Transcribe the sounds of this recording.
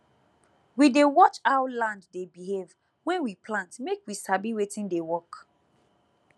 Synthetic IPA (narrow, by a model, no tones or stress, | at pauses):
widewɔt͡ʃaʊlãnddebiɦev | wɛ̃nwipʰlãntmekwisabiwetĩndewɔk